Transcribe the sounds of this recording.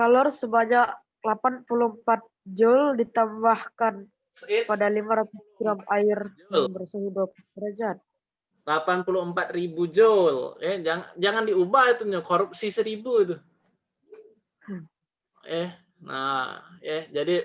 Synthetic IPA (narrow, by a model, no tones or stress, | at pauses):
kalɔrsəbaɲak | lapanpuluhəmpat̪̚d͡ʒʊldit̪ambahkan | padalimaɾat̪usɡɾamaɪr | lbərsuɦidop̚kəɾad͡ʒat̪̚ | lapanpuluɦəmpat̪̚ribud͡ʒoljɛd͡ʒaŋad͡ʒaŋandiubahit̪uakoɾup̚sisəɾibut̪u | jɛ | na̰jɛd͡ʒadi